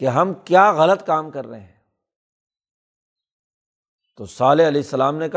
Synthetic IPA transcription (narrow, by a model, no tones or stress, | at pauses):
keɦɐmkjaːɣɐlət̪kaːmkɐɾːɐ̰ɦeɦɛ̃ː | t̪oːsaːleɐleːsːɐlaːmnekɐ